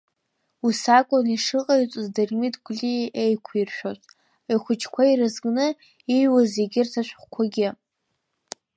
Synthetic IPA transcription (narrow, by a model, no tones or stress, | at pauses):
usakʷʼoniʂɨqʼait͡sʼɨzdarmitʼʰɡʷlʲiʔejkʷʰirʃᶣotʼ | iχʷʊt͡ʃʰkʷʰairɨzɡʼnɨ | ijwazeɡʲɪrtʰaʃʷᶣχʷkʷʰaɡʲɪ